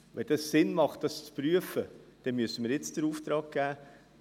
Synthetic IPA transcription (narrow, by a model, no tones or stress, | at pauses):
ʋɛndɑssɪnmɑχt̚d̥ɑst͡spɾyəfəd̥ɛnmyəsənmiːɾjɪt͡sd̥əɾuːft̪ɾɑːɡ̥̚ɡ̥æː